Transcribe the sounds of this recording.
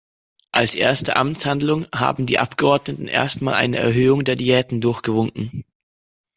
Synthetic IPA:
ʔalsʔḛːɐstəʔa̰mshandlʊŋha̰ːbm̩dḭːʔa̰pɡ̥əʔɔɐdnətn̩ʔḛːɐstmaːlʔa̰ɪnəɛ̰ɐɦøːʊŋdeːɐdiɛːtn̩dʊɐçɡ̥əvʊŋkŋ̩

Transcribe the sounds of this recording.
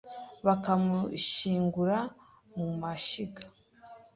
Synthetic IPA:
βakamuʃiːŋɡuɾa | mumaʃiɡḁ

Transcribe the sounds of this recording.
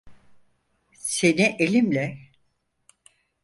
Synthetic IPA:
se̞niʔelʲimlʲɛ

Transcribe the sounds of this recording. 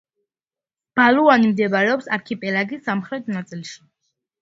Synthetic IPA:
b̥aluanimd̪ɛbaɾɛɔpsaɾkʰipʼɛlaɡisamχɾɛt̪ʰnat̪sʼilˠʃi̥

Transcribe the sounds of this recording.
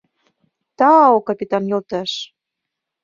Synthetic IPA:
t̪ɑokɑpʲit̪ɑnjolt̪ɑʃ

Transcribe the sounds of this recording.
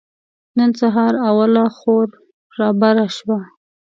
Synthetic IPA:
nənsaɦɑɾawalaxoɾ | ɾɑbaɾaʃwa

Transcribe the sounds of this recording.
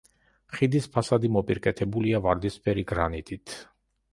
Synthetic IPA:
χid̪ispʰasad̪imɔpʼiɾkʼɛt̪ʰɛbuliavaɾd̪ispʰɛɾiɡɾanit̪ʼit̪ʰ

